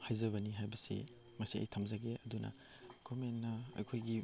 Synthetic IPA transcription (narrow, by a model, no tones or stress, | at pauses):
hajzɐβɐniɦajbɐsḭ | mɐsiɐ̰jtʰɐmzɐɡeʔɐdunʔɐ̰ | ɡ̥ɔmenːɐɐ̰jkʰojɡi